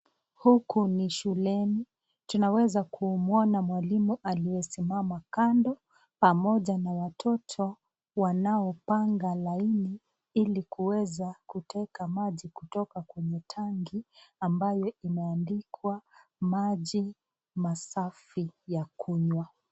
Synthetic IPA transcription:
hukuniʃulɛni | tunawɛzakʰumuɔnamwalimuʔaliwɛsimamakandɔ | pamɔʄanawatʰɔtʰɔ | wanaɔpaŋɡalaini | ilikuwɛzakutʰɛkamaʄikutɔkakwɛɲɛtʰaŋɡiambajɔimɛandikʰwamaʄi | masafijakʰuɲwa

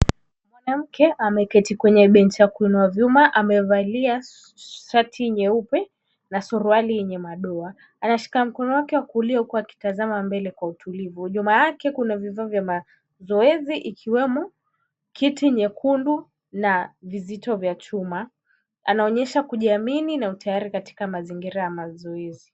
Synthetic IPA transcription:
mwanam̩kɛʔamɛkɛtikwɛɲɛɓɛnt͡ʃiakuinuavjumaʔamɛvalia | ʃatʰiɲɛupɛ | nasuɾualijɛɲɛmaɗɔa | anaʃi̥kam̩kɔnɔwakɛwakuliɔukuaki̥tazamambɛlɛkwautʰulivuʄumajakɛkunavivavjama | zɔɛziʔikʰiwɛmɔ | kʰitiɲɛkʰundu | navizitɔvjat͡ʃuma | a̰naɔɲɛʃakuʄiamininautʰajaɾikati̥kamaziŋɡiɾajamazɔɛzi

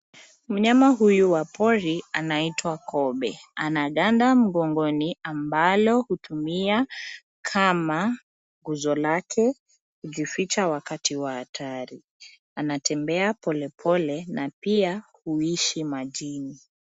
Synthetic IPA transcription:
m̩ɲamaɦujuwapʰɔɾianaitʰwakɔɓɛanaɠandam̩ɡɔŋɡɔniambalɔhutumia | kʰama | ɡuzɔlakʰɛ | huʄifit͡ʃawakatiwahatʰaɾi | anatʰɛmbɛapɔlɛpʰɔlɛnapiahuiʃimaʄini

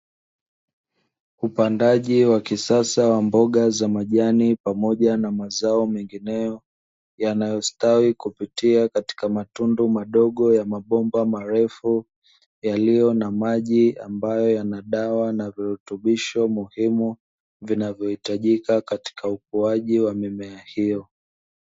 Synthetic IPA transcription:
upandaʄiwakisasawambɔɠazamaʄanipamɔʄanamazaɔmɛŋɡinɛjɔ | janajɔstawikupitiakati̥kamatundumaɗɔɠɔjamaɓɔmbamaɾɛfu | jalijɔnamaʄiambajɔjanaɗawanaviɾutuɓiʃɔmuhimu | vinavjɔhitaʄikakati̥kauk̚uaʄiwamɛmɛahijɔ

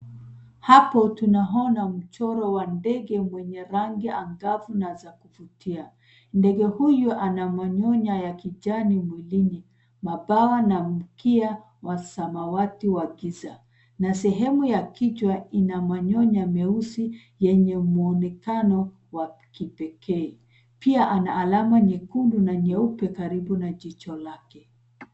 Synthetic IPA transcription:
hapɔtunaɦɔnam̩t͡ʃɔɾɔwandɛɡɛmwɛɲɛɾaŋɡiʔaŋɡavunazakuvutʰia | ndɛɡɛhujuʔanamaɲɔɲajakiʄanimwilini | mabawanam̩kia | wasamawatiwaɡiza | nasɛɦɛmujakit͡ʃwainamaɲɔɲamɛusi | jɛɲɛmuɔnɛkanɔ | wakipɛkʰɛɛ | piaʔanaːlamaɲɛkundunaɲɛupɛkaɾibunaʄit͡ʃɔlakɛ

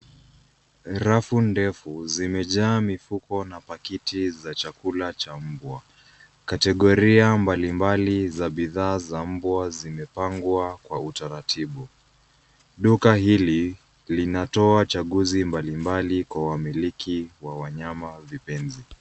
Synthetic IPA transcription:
ɾafundɛfuzimɛʄaːmifukɔnapakitizat͡ʃakulat͡ʃam̩bwa | katɛɠɔɾiambalimbalizaɓiðaːzam̩bwazimɛpaŋɡwakwautaɾatʰiɓu | ɗukahili | linatɔat͡ʃaɠuzimbalimbalikwawamilikʰiwawaɲamavipɛnzi

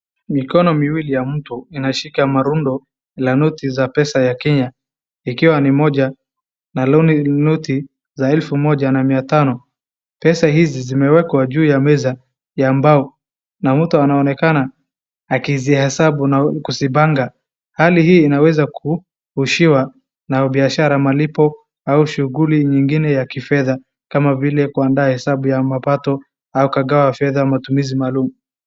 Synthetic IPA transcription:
mikɔnɔmiwilijam̩tuinaʃikamaɾundɔ | lanutizapɛsajakɛɲa | ikiwanimɔʄa | nalɔninuti | zaɛlfumɔʄanamiatanɔ | pɛsahizizimɛwɛkwaʄuːjamɛza | jaːmbaɔ | nam̩tuanaɔnɛkanaː | kiziahɛsaɓunakusibaŋɡa | halihiːnawɛzakʰu | huʃiwa | naɓiaʃaɾamalipɔ | auʃuɣuliɲiŋɡinɛjakifɛða | kamavilɛkuandaːhɛsaɓujamapatɔ | aukaɡawafɛðamatumizimalumu

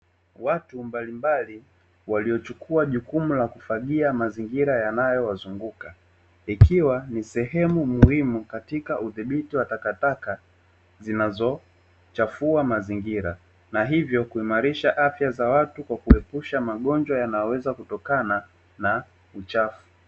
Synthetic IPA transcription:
watumbalimbali | waliɔt͡ʃukʰuaʄukumulakufaɠiamaziŋɡiɾajanajɔwazuŋɡuka | ikiwanisɛɦɛmumuhimukatikaʔuðiɓitiwatakataka | zinazɔ | t͡ʃafuamaziŋɡiɾa | naɦivjɔkuimaɾiʃaʔafjazawatukwakuɛpuʃamaɠɔnd͡ʒwajanajɔwɛzakutɔkana | na | ut͡ʃafu̥

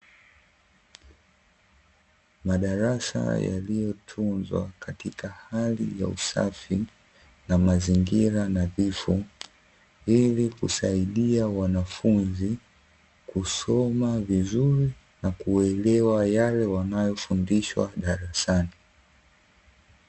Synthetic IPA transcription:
maɗaɾasa̰ja̰lijɔtʰunzwa̰katikahalḭja̰ṵsa̰fi | namaziŋɡiɾanavifu | ilikusaiɗiawanafunzi | kusɔmavizuɾi | nakuɛlɛwajalɛwanajɔfundiʃwa̰ɗaɾasani

